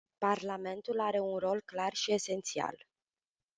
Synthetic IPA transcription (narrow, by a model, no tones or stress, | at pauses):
parlame̞nt̪ulaɾe̞unro̞lklarʃie̞se̞nt̪sia̰l